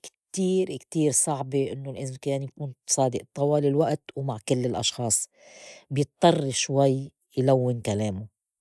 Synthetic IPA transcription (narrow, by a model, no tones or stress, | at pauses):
kt̪iːɾkt̪iːɾsˤɑʕbɪʔɪnːolʔɪzmkaːnjakuːnsˤɑːd̪ɪʔt̪ˤɑwɑːlɪlwaʔt̪wmaʕkɪlːɪlʔɑ̰ʃxɑːsˤ | bjɨt̪ˤːɑrˤːʃwajː | jlawːɪnkaleːmʊ